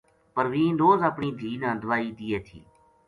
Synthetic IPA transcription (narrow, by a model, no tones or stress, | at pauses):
pəɾʋĩːnɾoːzəpɳiːd̪ʱiːnənd̪ʱʋaːiːd̪iːeːt̪ʰḭː